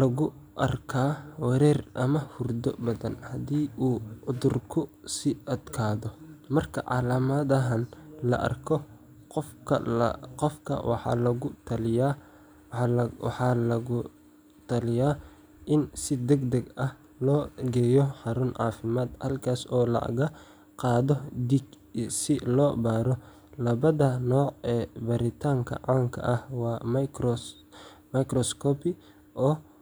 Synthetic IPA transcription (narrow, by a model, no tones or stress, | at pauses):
lɐɣʊʔɐrkʰaːwɛɾɛːrʔɐmɐhʊrd̪ɔbɐðɐnhɐd̪iːʔuːʔʊd̪ʊrkʰʊsɪʔɐd̪kʰaːðɔmɐrkʰɐʕɑ̰laːmɐðɐɦɐnlɐ̰ʔɐ̰rkʰɔ | qɔfkʰɐ̰qɔfkʰɐ̰wʔɑ̰ħɑ̰ːlɐɣʊt̪ʰɐlɪja | ħɑːlɐɣʊ | t̪ʰɐlɪjaː | ʔɪnsɪd̪ɛɡd̪ɐɡɐh | lɔːɡɛːjɔħɑɾʊnʕɑ̰ːfɪmaːd̪hɐlkʰaːsɔːlɐ̰ɣɐ | qɑːðɔd̪iɡ | sɪlɔːbaːɾɔ | lɐβɐðɐnɔːʕɛːbɐɾɪt̪ʰaːŋkʰɐ̰ʕɑːŋkʰɐ̰ʔɐhwɑː | mɐkrɔskʰɔːpɪ | ʔɔː